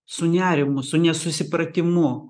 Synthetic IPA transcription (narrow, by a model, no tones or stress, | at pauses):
sʊnʲæːɾʲɪmʊsʊnʲɛsʊsʲɪpɾɐt̪ʲɪmʊ